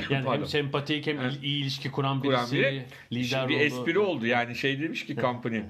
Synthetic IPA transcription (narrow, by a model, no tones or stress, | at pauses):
aːniæmsɛmpat̪ʰichɛmiːlʲiʃcʰikʰuɾambiɾambiɾɛ | lʲid̪æɾbiɛsupiɾio̞lˠd̪ujaːniʃe̞jd̪e̞miʃcikʰampʰani